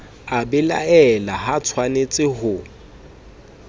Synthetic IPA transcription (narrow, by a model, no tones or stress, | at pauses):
abɪla̰ɛlaɦat͡sʰwanet͡sʼɪhʊ